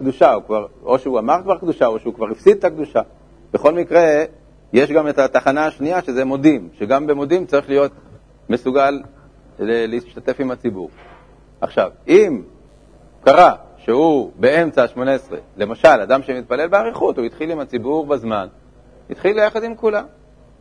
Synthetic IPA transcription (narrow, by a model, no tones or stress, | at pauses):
kd̪uʃaukvaʁo̞̰ʃeuamaʁkvaʁkd̪uʃao̞ʃeukvaʁifsid̪̚t̪akd̪uʃa | b̥eχo̞lmikʁe̞ | je̞ʃɡamet̪at̪aχanaːʃniaʃe̞zemo̞dimʃeɡambemo̞dimt͡saʁiχlijo̞t̪ | me̞suɡalː | elːeiʃt̪at̪e̞fimat͡sibṵʁ | ʔaχʃa̰vim | kaʁa | ʃehube̞e̞mt͡saʃmo̞neesʁe̞̰lemaʃalad̪amʃemit̪̚pale̞lbeaʁiχutuit̪χilimat͡sibuʁbazman | ḭt̪χilːejaχad̪imkulam